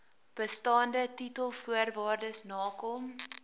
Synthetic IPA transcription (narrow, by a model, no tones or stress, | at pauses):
b̥əstɑːndətitəlˠfuərvɑːrdəsnɑːkɔm